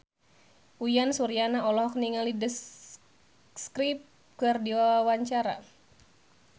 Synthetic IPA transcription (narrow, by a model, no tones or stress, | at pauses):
ʔujansuɾianaɔlɔhkniŋalidəs | skɾip̚ | kɨrdiwawawaɲt͡ʃaɾa̰